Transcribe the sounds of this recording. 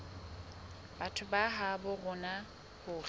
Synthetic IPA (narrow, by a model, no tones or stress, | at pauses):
b̥atʰʊbaɦabʊɣʊna | hʊ